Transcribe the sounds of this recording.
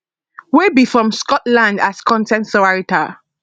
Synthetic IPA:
webifɹɔ̃mskɔtlãndaskʰɔ̃ntɛ̃ntsɔaɹita

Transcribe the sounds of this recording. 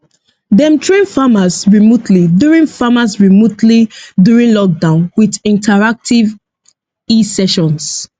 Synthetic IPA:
dɛ̃mtʰɹẽnfamasɹimotliduɹĩnfamasɹimotliduɹĩnlɔk̚dãʊ̃nwiðĩntʰaɹak̚tʰiv | isɛʃɔ̃ns

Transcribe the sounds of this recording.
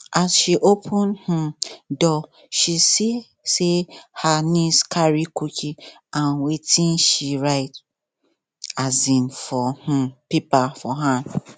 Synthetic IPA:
ʔasʃiʔopʰũnhudɔ | ʃisi | sehaniskʰaɹikukʰi | ãnwetĩnʃiɹaɪt | azĩnfɔhũpipafɔɦa

